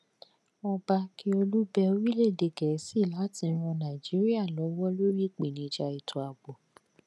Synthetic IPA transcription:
ɔ˧ba˧ki˦o˧lu˦bɛ˧o˧ɾi˦le˦˨de˨ɡɛ˨˦si˦˨la˨˦tĩ˧˦ɾ̃ɔ̃˧nã˨i˨d͡ʒi˨˦ɾi˦a˦˨lɔ˨˦wɔ˦lo˦ɾi˦˨k͡pi˨nĩ˨˧˦d͡ʒa˧i˨tʰu˨a˨ɡ͡bo˨

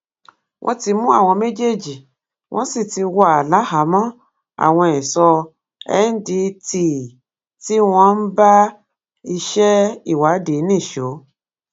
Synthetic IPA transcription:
wʔɔ̰̃˧˦ti˧mũ˦a̰˦˨w̃ɔ̃˧me˦d͡ʒe˦d͡ʒi˨ | wʔɔ̃˦si˦˨ti˧wa˦˨a˨la˨˦ha˨˦mɔ̃˦ | a̰˦˨w̃ɔ̃˧ɛ˨sɔ˧ | ɛ̰˦n̩˦di˧ti˨ | ti˦w̃ɔ̃˧n̩˦ba˦ | i˧ʃɛ˦i˦˨wa˨˦de˨˦nĩ˦˨ʃo˨˦

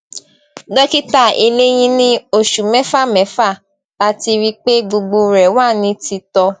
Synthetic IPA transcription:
dɔ˦ki˦ta˦˨e˧le˦j̃ĩ˦nĩ˦o˦˨ʃu˨mɛ˦fa˦˨mɛ˨˦fa˦˨ | la˦ti˧ɾi˦k͡pe˦ɡ͡bo˧ɡ͡bo˧ɾɛ˨wa˦˨nĩ˨˧˦ti˧tɔ˧

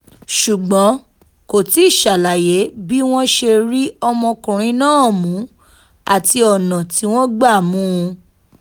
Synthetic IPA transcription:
ʃu˨ɡ͡bɔ̃˨˦ | ko˨ti˨˦i˦˨ʃa˨la˨je˨˦bi˦w̃ɔ̃˦ʃe˧ɾi˦ɔ˧mɔ̃˧kũ˨ɾ̃ĩ˨˧˦nãː˦˨mũ˨˦ | a˦˨ti˧ɔ˨nã˨ti˨˦w̃ɔ̃˦ɡ͡ba˦˨mũ˦˧

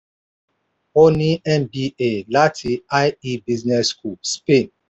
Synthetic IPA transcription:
o˦ni˦ɛ˦mbi˦e˨la˦tʰi˨a˦ji˦bi˦znɛ˦sku˨spe˦˨n

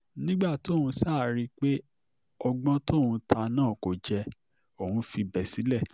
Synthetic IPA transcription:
nĩ˦ɡ͡ba˦˨tũ˧saː˦˨ɾi˧k͡pe˦ | ɔ˧ɡ͡bɔ̃˦to˦˨hũ˧tʰa˧nãː˦˨ko˨d͡ʒɛ˧ | o˨hũ˧˦fi˧bɛ˨si˨˦lɛ˦˨

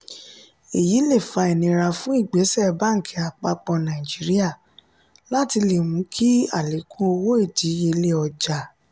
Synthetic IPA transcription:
e˨ji˨˦le˦˨fa˧e˨nĩ˨˧ɾa˧fũ˦i˦˨ɡ͡be˨˦sɛ˦˨˧ba˦ŋ̩˨kʰɛ˧˦a˨k͡pa˧k͡pɔ̃˧nã˨i˨d͡ʒi˨˦ɾi˦a˦˨ | la˦ti˧le˨mũ˨˦kʰi˦a˦˨le˨˦kũ˦o˧wo˦e˦˨di˨˦je˧le˦ɔ˧d͡ʒa˨

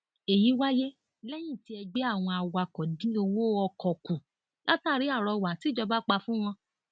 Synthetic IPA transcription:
e˨ji˨˦wa˦je˦ | lɛ˦j̃ĩ˦˨ti˨˦ɛ˧ɡ͡be˦a˦˨w̃ɔ̃˧a˨wa˧kɔ˨dĩ˨˦o˧wo˦ɔ˧kʰɔ˨ku˨ | la˦taː˦˨ɾi˨˦a˦˨ɾɔ˧˨wa˨ti˨˦d͡ʒɔ˧ba˦k͡pa˧fũ˦w̃ɔ̃˧

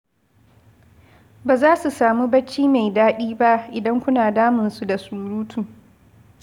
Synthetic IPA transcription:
baː˨zaː˦su˨saː˨mu˦bɐ˦t͡ʃːiː˦ma˨jdaː˦ɗiː˦ba˦ʔʔɪ˨dɐ˦ŋkʷʊ˦naː˨daː˦mɪ˨nsu˦da˨suː˨ɾuː˦tʰuː˨

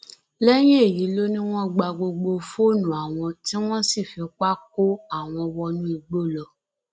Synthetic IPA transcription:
lɛ˦j̃ĩ˦e˦˨ji˨˦lo˦nĩ˦w̃ɔ̃˦ɡ͡ba˧ɡ͡bo˧ɡ͡bo˧fo˦˨nũ˨˦a˨w̃ɔ̃˧ti˦w̃ɔ̃˦si˦˨fi˨˦k͡pa˦k̚o˦a˦˨w̃ɔ̃˧wɔ˧nũ˦i˧ɡ͡bo˦˨lɔ˧

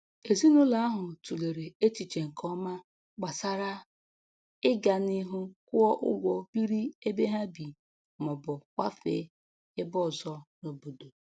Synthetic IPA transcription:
e˨zi˦nʊ˦la˨a˦ɦʊ˨tu˨le˨ɾe˨e˦t͡ʃi˨t͡ʃe˨ŋ̩˨kʰɔ˦ma˦ | k͡pa˨sa˦ɾa˦ | ɪ˦ɡa˨nɪ˦ɦʊ˦kʊ˦ɔ˦ʔʊ̰˦ɡʷɔ˨˦bi˦ɾi˦e˦be˦ɦa˦bi˨ | mʊ˨bʊ˨kʷa˦fḛ˦ | ɪ˦bɔ˦˨zɔ˦no˨bo˨do˨

